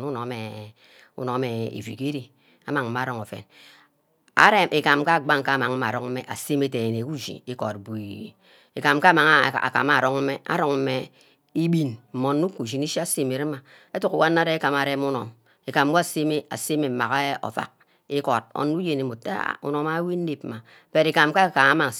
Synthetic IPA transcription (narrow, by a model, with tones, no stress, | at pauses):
nu˦no˨˦me˨ | ṵ˨no˨˦me˨ḛ˨vḭ˨ke˦ɾi˨ | a̰˦ma˨ŋː˨˦a˨˦ɾo˨ŋo˨fḛ˨n | a̰˨˦ɾe˦mʔe˨ka˨mka˦˨ɡ͡ba˦ŋ˨ka˦˨ma˨ŋ̩˦ma̰˨ɾɔ˨ŋ̩˦me˨ʔa̰˨se˦me˨te˨ne˨ku˦ʒḭ˨i˦ko˨t̚bu˨i˨ | e˨ka˨mka˦ma˨ŋ˦˨a̰˨ka̰˨ma˨ɾo˦ŋ̩˦me˦a̰˨ɾo˨ŋ̩˦me˦ | i˦bi˨nm̩˨mo˨nːu˦ku˨d͡ʒi˨ni˦ʃa˦se˨me˨ɾe˦ma˨ | e˦tu˦˨ku˨˦wa˦nːa˦ɾe˦ka˨ma˨ɾe˦mu˦no̰˨m | e˨ka˨m˦wa˦˨se˦me˦ʔa̰˨se˦me˨m̩˨ma˨ka˦o̰˨fa̰˨k̚ | i˦ko˨t̚o̰˨nu˦je˨ne˨mo˨ta̰˦˨ṵ˨no˨ma˦wi˦nː˦e˨pma˨ | pe˨ɾi˨ka˨mka˦ka˨ŋa˦ma˨